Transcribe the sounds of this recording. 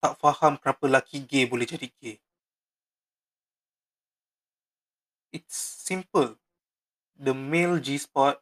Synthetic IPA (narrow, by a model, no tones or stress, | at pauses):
t̪aʔfahampəɾapəlakʰiɡebolɛhd͡ʒadiɡ̥e | ʔitsːĩmpəl | dəmeld͡ʒispɔt̚